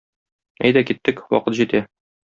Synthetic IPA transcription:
æjd̪ækit̪ːɘkwɒ̰qɤt̪ʑit̪æ

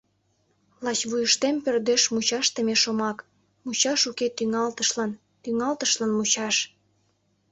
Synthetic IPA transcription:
lɑt͡ɕβujəʃt̪empørd̪eʃmut͡ɕɑʃt̪emeʃomɑk | mut͡ɕɑʃuket̪yŋɑlt̪əʃlɑn | t̪yŋɑlt̪əʃlɑnmut͡ɕɑʃ

